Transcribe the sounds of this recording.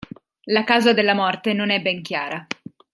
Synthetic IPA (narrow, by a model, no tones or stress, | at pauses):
lakaːzad̪elːamɔrt̪enonɛbːɛŋkʲjaːɾa